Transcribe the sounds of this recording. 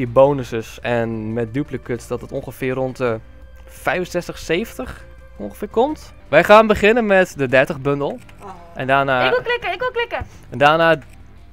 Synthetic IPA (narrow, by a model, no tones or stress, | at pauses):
iəbownəsəsɛnmɛt̚dypələkøtsdɔtətoŋχəfɪːrɔntə | fɛjvənsɛstəxseːvntəx | õnxəfɪːkɔmt | ʋɛjχaːnbəχɪnənmɛtdədɛrtəχbøndəl̩ˠ | ʔɛndaːnaːlɪkəɪkʋɪklɪkə | ɛndaːnaː